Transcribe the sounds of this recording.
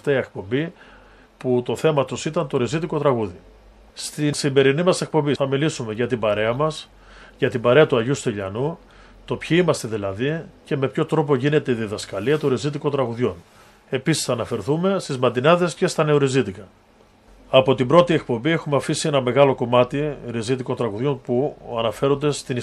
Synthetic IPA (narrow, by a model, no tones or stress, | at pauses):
t̪iek̚po̞mbi | put̪o̞θe̞mɐt̪usit̪ɐnt̪o̞ɾizit̪iko̞t̪ɾɐɣuði | st̪isimbe̞ɾinimɐse̞k̚po̞mbiθɐmilisume̞ʝɐt̪ibɐɾe̞ɐmɐs | ʝɐt̪ibɐɾe̞ɐt̪uɐʝust̪eʎɐ̰nu | t̪o̞pçiimɐst̪e̞ðilɐðice̞me̞pço̞t̪ɾo̞p̬o̞ʝine̞t̪e̞iðiðɐskɐliɐt̪oɾizit̪̬iko̞t̪ɾɐɣuðʝo̞n | e̞pisi̥sθɐːnɐfe̞ɾθume̞st̪izmɐt̪inɐðe̞sce̞st̪ɐne̞o̞ɾizit̪ikɐ | ɐpo̞t̪ibɾo̞t̪ie̞k̚po̞mbie̞xumeɐfisie̞nɐme̞ɣɐlo̞ko̞mɐt̪iɾizit̪̬iko̞nt̪ɾɐɣuðʝo̞npuɐnɐfe̞ɾo̞nd̪e̞st̪in